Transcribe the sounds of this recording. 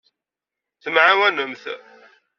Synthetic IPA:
θəmʕawænəmθ

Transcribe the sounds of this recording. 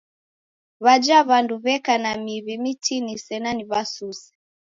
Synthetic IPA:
βad͡ʒaβanduβɛkanamiβimitʰinisɛnaniβasusɛ̥

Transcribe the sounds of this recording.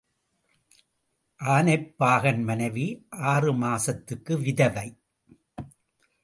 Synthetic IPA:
ʔaːnɐɪpːaːɣɐnmɐnɐɪʋiʔaːrɯmaːsɐt̪ːɯkːɯʋɪðɐʋɐɪ

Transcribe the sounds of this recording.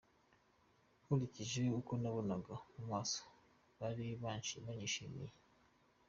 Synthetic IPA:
huliciʒeukonaβunaɡamumaːso̥ | βaɾiβaʃiβaɲiʃimḭje

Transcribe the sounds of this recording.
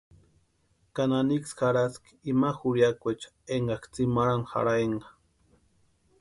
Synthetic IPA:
kananiksxaɾask | imaxuɾjakot͡ʃḁ | eɴɡɑkt͡simaɾanxa̰ɾajeɴɢɑ

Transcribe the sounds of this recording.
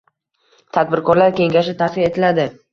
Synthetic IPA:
t̪ʰad̪̚bɪɾkɒɾlaɾkʲe̞ŋɡʲaʃɪt̪ʰasɪɾe̞t̪ʰɪlad̪ɪ

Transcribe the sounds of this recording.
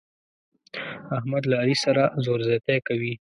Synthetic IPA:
ahmad̪laːɾisaɾazoɾzat̪ekawi

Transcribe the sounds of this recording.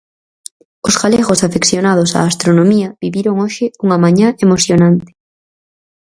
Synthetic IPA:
osɣaleɣosafekθjonaðosa̰ːst̪ɾonõmiɐβiβiɾoŋoʃɪuŋɐmãɲaʔemoθjonãnt̪ɪ̥

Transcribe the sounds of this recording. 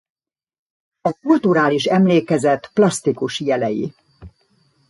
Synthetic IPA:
ɒkult̪uɾaːliʃɛmleːkɛzɛt̪ːplɒst̪ikuʃjɛlɛjḭ

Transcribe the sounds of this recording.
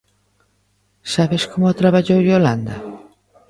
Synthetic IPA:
saβeskomot̪ɾaβaʎowoland̪a̰

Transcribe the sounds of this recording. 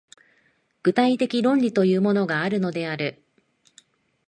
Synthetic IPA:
ɡ̥ɯ̟t̪ait̪e̞kʲiɾõ̞ɲʲɾʲit̪o̞jɯ̟ːmo̞no̞ɡaːɾɯ̟no̞d̪e̞aɾɯ̟

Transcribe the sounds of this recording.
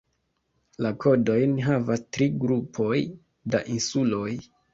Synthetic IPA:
lakʰo̞do̞jnɦavastɾiɡɾupʰo̞j | daʔinsulo̞j

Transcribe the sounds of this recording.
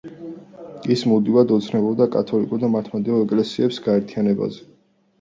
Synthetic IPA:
ismud̪ivad̪ɔt̪sʰnɛbɔbd̪akʼat̪ʰɔlikʼuɾd̪amaɾt̪ʰmad̪ɛɔɛkʼlɛsiɛpsɡaɛɾt̪ʰianɛba̰zɛ

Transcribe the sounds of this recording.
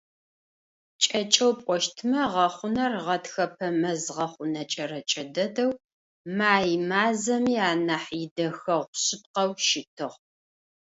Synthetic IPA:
t͡ʃʼɐt͡ʃʼɐwpʷʼɔʃtʰɨmɐʁɐχʷʊnɐrʁɐtxɐpʰɐmɐzʁɐχʷʊnɐt͡ʃʼɐɾɐt͡ʃʼɐdɐdɐw | maːjmaːzɐmiːaːnɐħjɪdɐxɐʁʷɕɪp̚qɐwʃɪtʰɨʁ

